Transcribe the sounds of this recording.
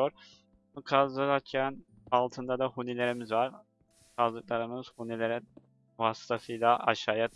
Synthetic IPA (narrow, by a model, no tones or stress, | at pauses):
oɾ | ukʰazˠɯlaɾcʰæn | alˠt̪ʰɯnd̪ad̪ahunilʲe̞ɾimizvaɾ | kʰazlˠɯk̚lˠaɾɯmɯz̥hunilʲe̞ɾɛ | vast̪ʰasɯjlʲˠaʔaʃaːja